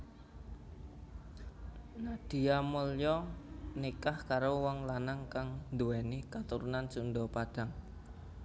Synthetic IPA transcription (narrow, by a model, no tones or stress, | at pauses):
nad̥i̤amoljɔnikahkaɾowɔŋlanaŋkaŋnd̪uwɛnikat̪uɾunant͡ʃundɔpad̥a̤ŋ